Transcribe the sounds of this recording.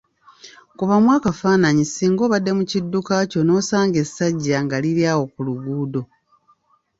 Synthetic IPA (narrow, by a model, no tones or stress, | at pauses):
kuβamwaːkafaːnaɲisiŋɡo̞ːβadːe̞mucidːukaco̞no̞ːsaːŋɡe̞sːaɟːaŋɡaliɾjaːwo̞kuluɡuːdo̞